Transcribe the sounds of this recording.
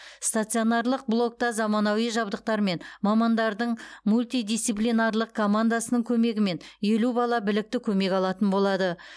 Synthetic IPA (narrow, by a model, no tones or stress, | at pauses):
st̪at̪sɨo̞nɑɾlˠəq̚blˠo̞k̚t̪ɑzɑmɑnɑwijʒɑbd̪əq̚t̪ɑɾme̞nmɑmɑnd̪ɑɾd̪əɴmulʲt̪id̪ijsiplʲijnarlˠəq̚kʰo̞mand̪asənəɴkʲʰɵme̞ɡʲɪme̞nje̞lubɑlˠɑbɪlɪk̚t̪ɪkʲʰɵme̞kʲɑlˠɑt̪ənbo̞lˠɑd̪ə